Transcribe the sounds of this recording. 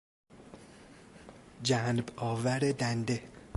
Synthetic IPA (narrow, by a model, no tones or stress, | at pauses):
d͡ʒænbɒːvæɾed̪ænd̪e